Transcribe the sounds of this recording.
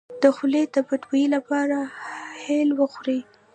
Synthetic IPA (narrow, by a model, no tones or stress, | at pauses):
d̪̥əxuled̪əbadwailapɑɾahelwəxɾi